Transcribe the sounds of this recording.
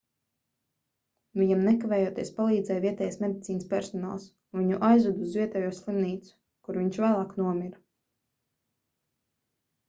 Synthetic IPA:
vʲiɲamnɛkavɛːjuɔːt̪iɛspalˠiːd̪zɛjvʲiɛt̪ɛːjasmed̪it̪siːnspʲɛɾsɔna̰ːlˠs | viɲuʔajzud̪uzvʲiɛt̪ɛːjuɔslˠimniːt̪su̥ | kuɾviɲt͡ʃvæːlˠaːknuɔmʲiɾa

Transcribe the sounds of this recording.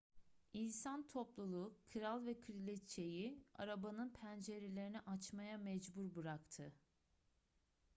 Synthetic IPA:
insant̪ʰoplˠulˠukʰɯɾalˠvɛkʰɯɾilʲɛt̪t͡ʃʰe̞jia̰ɾabanɯnpʰænd͡ʒe̞ɾelʲe̞ɾinɛʔat͡ʃmajamɛd͡ʒbuɾbɯɾakt̪ʰɯ

